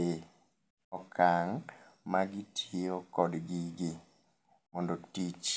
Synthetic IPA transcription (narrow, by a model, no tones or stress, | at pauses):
e | ɔkʰaŋmaɡɪtʰjokɔdɡɪɡɪ | mɔndotit͡ʃ